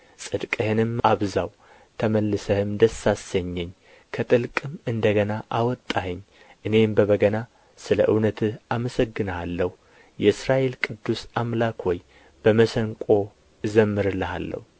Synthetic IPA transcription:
sʼɨd̪kʼɨhɨnɨmaβzaw | t̪ʰəməlːɨsəhɨmd̪əsasəɲːɛɲː | kʰət̪ʼɨlkʼɨmɨnd̪əɡənaʔawɔt̪ʼːahɨɲː | ʔɨne̞mbəβəɡəna | sɨləʔɨwnət̪ʰɨaməsəɡːɨnalːəhu | jɛɨsɾaʔe̞lkʼɨd̪ːusamlakhoj | b̥əməsəŋkʷʼo̞ | ɨzəmːɨɾɨləha̰lːə̰hu

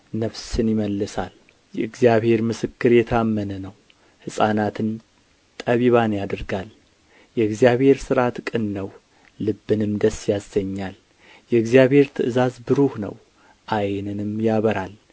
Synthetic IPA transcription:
nəfsɨnjɪməlːɨsa̰l | jɛɨɡzijaβhe̞ɾmɨsɨkːɨɾjɛt̪ʰamːənənəw | hɨsʼanat̪ʰɨn | t̪ʼəβiβanjad̪ɨɾɡal | jɛɨɡzijaβhe̞ɾsɨɾat̪kʼɨnːəw | lɨbːɨnɨmd̪əsjasːəɲːal | jɛɨɡzijaβhe̞ɾt̪ʰɨʔɨzazbɨɾuhnə̰w | ʔajnɨnɨmjaβəɾal

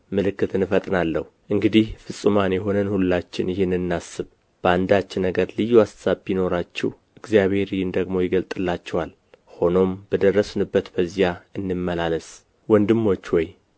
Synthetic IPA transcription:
mɨlɨkːɨt̪ɨnɨfət̪ʼnalːəhuʔɨŋɡɨd̪ihfɨsʼːɨmanjɛɦo̞nənhulːat͡ʃːɪnjɪhɪnɨnːasːɨβ | b̥əand̪at͡ʃːɪnːəɡəɾlɨjːuasːaβːino̞ɾat͡ʃːɛw | ɨɡzijaβhe̞ɾijɪnd̪əɡmo̞jɪɡəlt̪ʼɨlːat͡ʃːɛwal | ho̞no̞mb̥əd̪ərːəsɨnɨbːət̪bəzijaɨnːɨmːəlaləs | wɔnd̪ɨmːo̞t͡ʃːwɔj

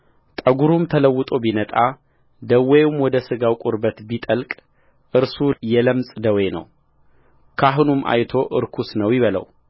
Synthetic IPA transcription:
t̪ʼəɡuɾumt̪ʰələwːɨt̪ʼo̞binət̪ʼa | d̪əwɛjmwɔd̪əsɨɡawkʼʊɾbət̪bit̪ʼəlkʼ | ʔɨɾsujɛləmsʼd̪əwenə̰w | kʰaɦunumʔa̰jt̪ʰo̞ʔɨɾkʰusnəwjɪβələ̰w

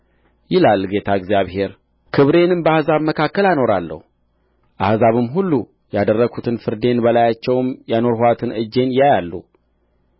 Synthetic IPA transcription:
jɪlalːɡe̞t̪ʰaɡzijaβhe̞ɾ | kʰɨβɾe̞nɨnbəahzaβməkʰakːəlano̞ɾalːə̰hu | ʔahzaβɨmɦulːu | jad̪ərːəɡut̪ʰɨnfɨɾd̪e̞nbəlajat͡ʃːɛwmjano̞ɾhoat̪ʰɨnɨd͡ʒːe̞njajalːu

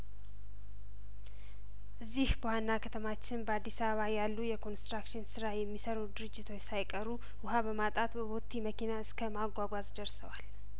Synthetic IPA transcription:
ʔɨzːihbəwanːakʰət̪ʰəmat͡ʃːɪnbəad̪ːisaβəβajalːujɛkʰo̞nst̪ɾakʃɪnsɨɾajɛmːisəɾud̪ɨɾɨd͡ʒːɪt̪ʰo̞t͡ʃsajkʼəɾu | wʊɦabəmat̪ʼat̪bəβot̪ʰːiməkinaɨskʰəmaɡʷaɡʷazd̪əɾsəwal

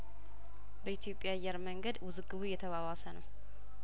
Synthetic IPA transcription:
bəit̪ʰijo̞pʼːjajːɛɾməŋɡəd̪wʊzɨɡːɨβujɛt̪ʰəβaβasənəw

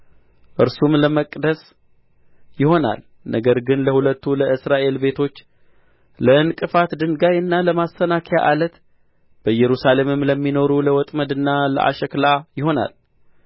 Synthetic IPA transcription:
ʔɨɾsumləməkʼd̪əs | jɪho̞na̰l | nəɡəɾɡɨnləhulət̪ːuləɨsɾaʔe̞lbe̞t̪ʰo̞t͡ʃː | ləɨnkʼɨfat̪d̪ɨŋɡajɨnːaləmasənakʰja̰ʔalət̪ | b̥əjɛɾusale̞mɨmləmːino̞ɾuləwɔt̪ʼməd̪ɨnːalə̰ʔa̰ʃəklajɪho̞na̰l

